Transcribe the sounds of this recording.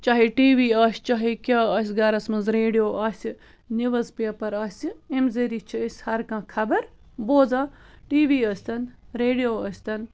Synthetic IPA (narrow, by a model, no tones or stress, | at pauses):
t͡ʃaːɦiʈiːʋiːaːsʲt͡ʃaːɦikʲaːɐːs̬ʲɡɐɾɐsmɐnzɾeːɖijoːʔaːsʲi | niʋɐzpeːpɐɾaːsʲiemzeɾit͡ʃʰiɐsʲhɐɾkãːkʰɐbɐɾ | boːzaːʈiːʋiːɐsʲt̪ɐnɾeːɖijoːɐsʲt̪ɐn